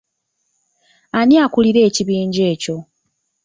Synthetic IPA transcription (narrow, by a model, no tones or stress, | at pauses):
aniakuliɾe̞ːciβiːɲɟe̞ːco̞